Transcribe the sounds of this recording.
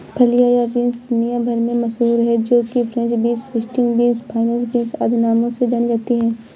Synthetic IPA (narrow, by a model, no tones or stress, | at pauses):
pʰɐlijaːjabɪ̃nsd̪ʊnijãbʱɐɾmẽmɐsɦuːɾɦɛd͡ʒoːkipʰɾɛ̃nt͡ʃbĩːsɾɪsʈɪ̃ŋɡbĩːnspʰaːɪnɛ̃ːnsbɪ̃nsa̰ːd̪ʱɪnaːmõsed͡ʒɐnɡɛt̪iɦɛː